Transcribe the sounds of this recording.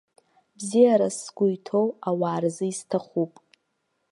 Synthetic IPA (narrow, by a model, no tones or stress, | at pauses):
bzijaɾasɡʷʼʊjtʰo̞wawaːrzɨiztʰaχupʼ